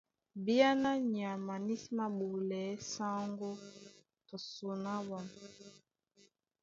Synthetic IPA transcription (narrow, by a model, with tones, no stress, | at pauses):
bi˦a˦na˦ɲ˨a˨ma˨ni˦sma˦ɓu˨lɛ˨˦sa˦ŋɡo˦ | to˨su˨na˦wa˨